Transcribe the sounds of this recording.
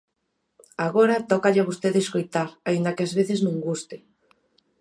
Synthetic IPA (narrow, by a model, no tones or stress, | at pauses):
aɣoɾat̪ɔkaʎaβust̪eðeːskojt̪aɾaind̪akeazβeθɪznõŋɡust̪e